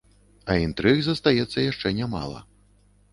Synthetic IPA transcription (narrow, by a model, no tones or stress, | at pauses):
ɐint̪ɾɨɣzɐst̪ajɛt̪sːɐjaʂt͡ʂɛnʲama̰lˠɐ̰